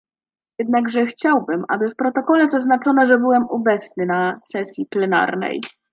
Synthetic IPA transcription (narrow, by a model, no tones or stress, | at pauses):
jɛd̪naɡʐɛxt͡ɕawbɘma̰bɘfpɾɔt̪ɔkɔlɛzaznat͡ʂɔnaʐɛbɘwɛmubɛt̪snɘnasɛsʲjiplɛna̰ɾnɛ̰j